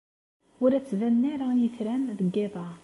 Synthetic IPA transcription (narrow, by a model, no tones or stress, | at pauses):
ʊɾæt͡sːvænːaɾajəθɾænðəɡːeðˤɑ